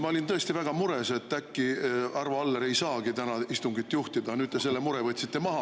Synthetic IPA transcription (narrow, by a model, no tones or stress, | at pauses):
mɑolint̪ɤ̞e̞st̪ivæɡ̥ɑmuɾe̞se̞t̪ːækːiɑrvɑɑlːeɾe̞jsɑːɡ̥it̪ænɑist̪uŋɡit̪ːjuht̪id̪ɑnyːd̪̚t̪e̞se̞lːe̞muɾe̞vɤt̪ʲsi̥t̪ːe̞mɑɦɑ